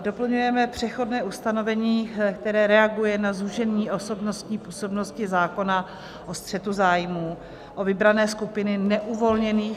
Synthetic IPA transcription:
do̞pl̩ɲujɛmɛpr̝̥ɛxo̞dnɛːʔust̪ano̞vɛɲiːkt̪ɛɾɛːɾɛaɡujɛnazuʒɛnɲiːʔo̞so̞bnost̪ɲiːpuːso̞bno̞scɪzaːko̞na | ʔost̪r̥ɛt̪uzaːjmuː | ʔovɪbɾanɛːskupɪnɪnɛʔuvo̞lɲɛniː

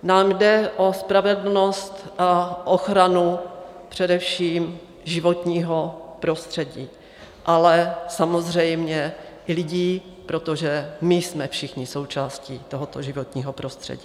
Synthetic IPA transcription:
naːmdɛʔospɾavɛdl̩no̞st̪ʔaʔoxɾanupr̥ɛdɛfʃiːm | ʒɪvo̞t̪ɲiːɦo̞pɾo̞st̪r̥ɛɟiː | ʔalɛsamozr̝ɛjmɲɛʔɪlɪɟiː | pɾo̞t̪oʒɛmɪsmɛfʃɪxɲɪso̞wt͡ʃaːsciːt̪oɦot̪oʒɪvot̪ɲiːɦopɾo̞st̪r̥ɛ̰ɟiː

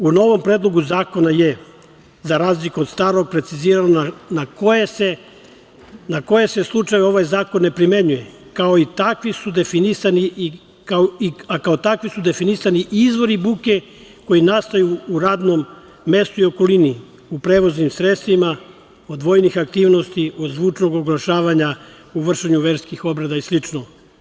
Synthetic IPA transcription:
uno̞ʋo̞mpɾeːd̪lˠo̞ɡuzaːko̞naje | zaɾaːzlikuod̪st̪aːɾo̞ɡ̚pɾe̞t̪siziːɾanonanakojese | nako̞je̞se̞slˠut͡ʃajo̞ʋaːjzaːko̞nːe̞pɾime̞ɲuje | kao̞it̪akʋisud̪e̞finisani | kaoiakaot̪akʋisud̪e̞finisaniʔizʋo̞ɾibuːke | ko̞jinast̪ajuːɾaːd̪nomː | e̞st̪uio̞ko̞lini | upɾeːʋo̞znimsɾet̪st̪ʋima | o̞d̪ʋo̞jnixak̚t̪iːʋno̞st̪iod̪zʋuːt͡ʃno̞ɡoɡlˠaʃaːʋaɲa | uʋr̩ʃeɲuʋeɾskixo̞bɾed̪aislit͡ʃno

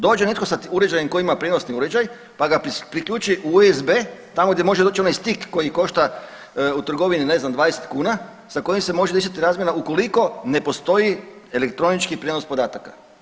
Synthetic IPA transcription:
d̪oːd͡ʒe̞ne̞t̪ko̞sauɾed͡ʒajemko̞iimapɾʲjed̪nosniuɾed͡ʒaj | paɡappɾikʎʲuːt͡ʃiʔuezbet̪amoɡd̪jemo̞ʒedoːt͡ʃio̞najst̪ikːo̞jiko̞ʃt̪a | ut̪ɾ̩ɡo̞ʋinine̞znamd̪ʋaːd̪eset̪kuːna | sako̞jimse̞mo̞ʒed̪eʃ̬at̪iɾaːzmjenauko̞liko̞ne̞po̞st̪o̞jielekt̪ɾo̞nit͡ʃkipɾjed̪nos̚po̞d̪aːt̪aka

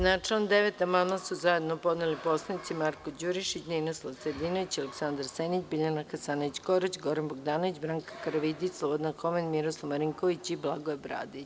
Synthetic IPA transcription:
nat͡ʂelnd̪eʋet̪amamasuzaje̞d̪nopo̞d̪neliposlˠanit̪simaɾkod͡ʑuɾiʃit͡ɕninoslˠaʋsed̪inoʋit͡ɕaleksand̪aɾsenit͡ɕbiʎanaxasanoʋit͡ɕkoɾat͡ɕɡo̞ɾanboɡd̪aːnoʋit͡ɕbɾaŋkḁkaɾaʋid̪islˠobod̪anxomenmiɾoslˠaʋmaɾiŋkoʋit͡ɕiblˠaɡoebɾa̰ːd̪it͡ɕ

